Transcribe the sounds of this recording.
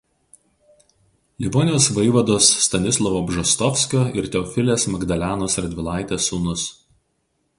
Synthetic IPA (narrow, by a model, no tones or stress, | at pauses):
lʲɪboːnʲɪjoːsʋɐɪʋɐd̪oːsːt̪ɐnʲɪslˠɔʋoːbʒɐst̪ɔfʲsʲkʲoːɪɾt̪ʲɛɔfʲɪlʲeːsmɐɡd̪ɐlʲæːnoːsɐɾʲd̪ʲʋʲɪlˠɑˑɪt̪ʲeːsuːnʊs